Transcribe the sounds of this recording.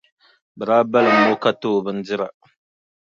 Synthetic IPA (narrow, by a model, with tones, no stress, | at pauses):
bə˨ɾa˦ba˦lmo˦ka˦to˦˨bə˦n˦d͡zi˦ɾa˨